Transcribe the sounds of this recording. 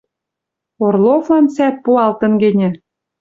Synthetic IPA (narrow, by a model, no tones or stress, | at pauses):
orlˠovlɑnt͡sæt̪̚puɑlt̪ə̆nɡĕnʲɘ̆